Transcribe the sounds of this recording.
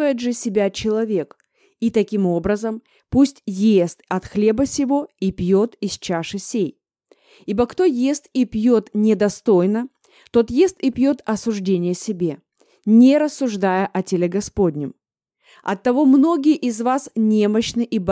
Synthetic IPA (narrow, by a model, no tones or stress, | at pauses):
vəjɪt̪ʐɨsʲɪbʲat͡ɕɪlˠɐvʲe̞k | it̪ɐkʲimo̞bɾəzəm | pusʲtʲjest̪ɐt̪xlʲe̞bəsʲɪvo̞ipʲjo̞t̪isʲt͡ɕaʂɨsʲej | ibəkt̪o̞jest̪ipʲjo̞t̪nʲɪd̪ɐst̪o̞jnə | t̪o̞t̪je̞st̪ɪpʲjo̞t̪ɐsʊʐdʲenʲɪjəsʲɪbʲe̞ | nʲɪɾəsːʊʐd̪ajəʔɐtʲelʲeɡɐspo̞dʲnʲɪm | ɐ̰t̪ːɐvo̞mno̞ɡʲɪjəʔɪzvasnʲe̞məɕnɨʔib